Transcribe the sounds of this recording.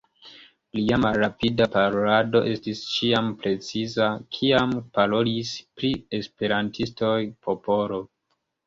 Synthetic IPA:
liamalːapidapaɾolado̞ʔe̞stist͡ʃiampɾe̞t͡sizakʰiampalo̞lispɾie̞spe̞ɾantʰisto̞jpʰo̞po̞ɾo̞

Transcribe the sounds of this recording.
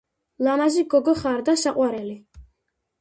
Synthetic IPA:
lanaziɡɔɡɔχaɾd̪asaqʼwaɾɛli

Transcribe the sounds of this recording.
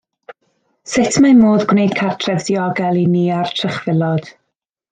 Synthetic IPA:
sɪtʰmamoːðɡwnejd̥̚kʰartʰrɛvdiɔɡɛlˠiniːartʰrəχvɪlˠɔd̥

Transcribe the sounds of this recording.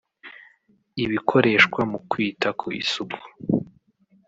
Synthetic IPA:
iβikʰo̞ɾe̞ːʃkwamukwiːtakʰoḭsuku̥

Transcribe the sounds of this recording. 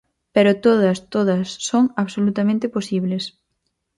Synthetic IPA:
peɾot̪oð̞ɐst̪oðɐsːoŋaβsolut̪amẽnt̪ɪposiβ̞les

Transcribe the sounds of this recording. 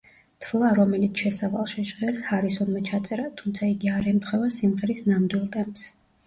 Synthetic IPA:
t̪ʰvlˠaɾɔmɛlit̪sʰʃɛsavalˠʃɛʒʁɛɾshaɾisɔnmɛt͡ʃʰat̪sʼɛɾat̪ʰumt̪sʰaiɡiaɾɛmt̪ʰχwɛvasimʁɛɾisnamd̪wilˠt̪ʼɛmps

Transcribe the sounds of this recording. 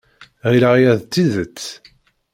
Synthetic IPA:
ʁiɾaʁijæðt͡sːiðət͡sː

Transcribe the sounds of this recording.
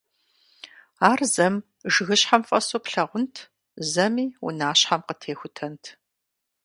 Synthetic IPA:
aːrzɐm | ʒɨɣɨɕħamfʼɐsoːpɬɐʁʷʊntʰ | zɐmiːwʊ̰naːɕħamqətʰeːxʷʊtʰɐntʰ

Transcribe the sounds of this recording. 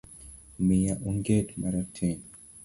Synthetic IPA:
mijaʔuŋɡɛdmaɾatʰɛnɔ

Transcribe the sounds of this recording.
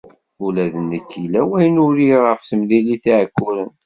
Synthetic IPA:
ulæðənːəkːilæwæjnʊɾiʁəfθəmliliθiʕəkːʊɾən

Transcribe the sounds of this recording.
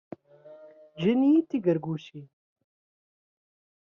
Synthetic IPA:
d͡ʒiniːt̪iɡɐɾɡuːɕi

